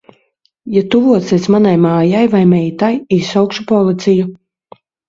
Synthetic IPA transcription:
jat̪uvuɔt̪siesmanajmaːjajvajmɛjt̪ajisawkʃupɔlˠit̪siju

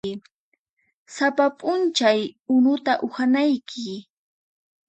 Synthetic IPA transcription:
ɪ | sapapʼʊnt͡ʃajʊnʊt̪aʔʊxanajkʰɪ

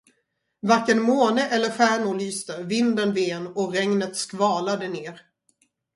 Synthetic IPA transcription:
vaɾkːənmoːnəʔɛlːəɾɧæːɳʊɭyːst̪əvɪnd̪ənveːnɔɾɛŋnət̪skvɑːlad̪əneːɾ

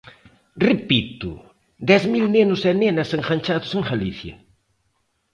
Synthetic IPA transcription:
repit̪ʊ̰ | d̪ɛzmilnenʊsɛnenɐseŋχɐɲt͡ʃaðʊseŋɡaliθjɐ̰

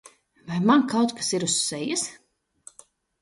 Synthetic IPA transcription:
vajmankawt̪kḁsiɾusːɛjɨs

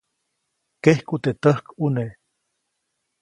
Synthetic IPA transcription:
kehkut̪et̪əhkune

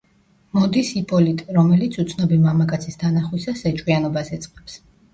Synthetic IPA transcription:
mɔd̪isipʼɔlit̪ʼɾɔmɛlit̪sʰut̪sʰnɔbimamakʼat̪sʰist̪ʰanaχwisasɛt͡ʃʼwianɔbasɛt̪sʼqʼɛps

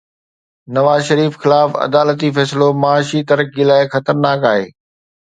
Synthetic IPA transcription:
nɐʋaːzʃɐɾiːfxɪlaːfɐ̰d̪aːlət̪ifɛːsɪlomaaːʃit̪ɐɾək̚ilaːɪxɐt̪əɾnaːkaːɦḛː

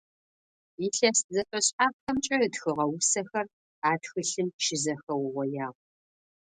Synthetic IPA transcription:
iɬɐszɐfʼɐɕʼħaːp̚xɐmt͡ʃʼɐrɨtxɨʁɐwʊsɐxɐr | aːtxɨɬɨnʃɪzɐxɐwʁʷɔjaːʁ

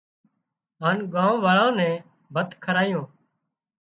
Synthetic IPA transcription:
ɦaːnɡãːʋaːɭãːnɛ̃ː | bʱət̪kʰəɾaːjõː

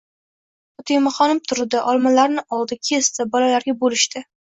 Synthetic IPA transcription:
ɒt̪ʰɪjmɑχɒnɪmt̪ʰʊɾd̪ɪʔɒlˠmalaɾnɪʔɒlˠd̪ɪkʲʰest̪ɪbɒlalaɾɡʲabolɪʃt̪ɪ

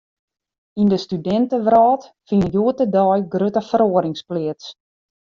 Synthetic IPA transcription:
indəstydɛntəʋrɑːtfiəjuətədɔjɡrøtəfəɾoəɾɪŋsplɪəts

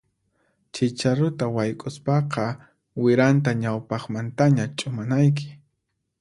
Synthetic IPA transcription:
t͡ʃɪt͡ʃaɾʊt̪awajkʼʊspɑqɑ | wɪɾant̪̬aɲawpɑχmant̪aɲat͡ʃʼʊmanajk̬ɪ̥

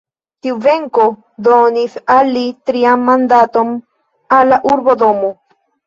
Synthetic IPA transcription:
t̪iuve̞ŋko̞ | d̪onisalːit̪ɾiamːand̪at̪o̞m | alːaʔuɾbo̞d̪o̞mo

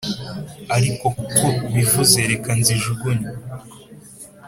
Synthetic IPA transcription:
aɾiko̞koβivuzeɾe̞kanziʒuɡoni

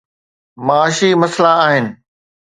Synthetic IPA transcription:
maaːʃimɐslaːɦɪnɪ̆

